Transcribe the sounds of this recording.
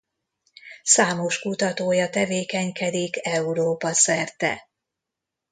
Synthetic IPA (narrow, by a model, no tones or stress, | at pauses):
saːmo̞ʃkut̪ɒt̪oːjɒt̪ɛveːkɛɲkɛd̪ikɛuɾoːpɒsɛrt̪ɛ̰